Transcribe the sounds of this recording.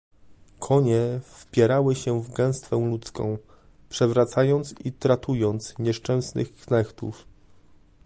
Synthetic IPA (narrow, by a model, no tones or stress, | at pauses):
kʰɔɲɛfpʲjɛɾawɘɕɛvɡɛ̃w̃st̪fɛ̃w̃lut̪skɔ̰̃w̃ | pʂɛvɾat̪sajɔnt̪sit̪ɾat̪ujɔnt̪sɲɛʂt͡ʂɛ̃w̃snɘ̰xknɛxt̪ṵf